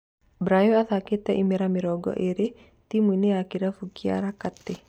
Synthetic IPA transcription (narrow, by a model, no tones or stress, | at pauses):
bɾajoaθaket̪ɛʔimeɾamɪɾɔɡɔ̰ʔeɾe | t̪imwineakiɾafukia̰ɾakat̪ːe